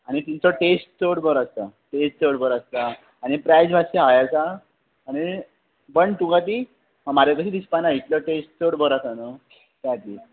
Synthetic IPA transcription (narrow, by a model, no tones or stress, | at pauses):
aɽ̃it̪int͡sɔʈesʈ̚t͡soɽbʱəɾəst̪aʈesʈt͡səɽbʱəɾast̪aː | ɽ̃ipɾajd͡zbʱaɕeɦajat͡saː | ɽ̃i | bəɳt̪ũŋɡat̪̬i | məmaɾakəɕid̪ispanaɦit̪ləʈesʈ̚t͡soɽbʱəɾasanə | t̪jat̪iː